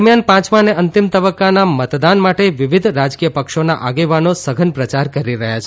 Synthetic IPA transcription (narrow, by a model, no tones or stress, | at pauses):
mjanpãt͡ʃmaneənt̪imt̪əbəkːanamət̪d̪anmaʈeʋiʋid̪ʱɾad͡ʒkijəpəkʃonaʔaɡeʋanosəɡʱənpɾət͡ʃaɾkəɾiɾəɦjat͡ʃʰ